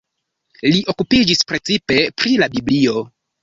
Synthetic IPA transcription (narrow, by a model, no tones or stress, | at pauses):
liʔo̞kupid͡ʒispɾe̞t͡sipe̞pɾilabiblio̞